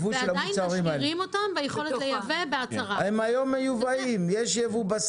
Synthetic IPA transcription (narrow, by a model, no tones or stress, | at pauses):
vuʃelamut͡saʁimhaelʁimot̪ambejeχolelejavebeat͡saʁahemajo̞mːejuvaimjeʃjevubas